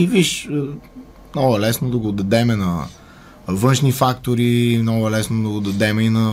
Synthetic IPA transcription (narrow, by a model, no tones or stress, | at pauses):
iviʃə | mnɔɡɐlɛsnod̪ɐɡoːd̪ɐd̪ɛmɛnɐ | vɤnʃnifakt̪oɾimnɔɡɐlɛsnod̪ɐɡod̪ɐd̪ɛmɛinɐ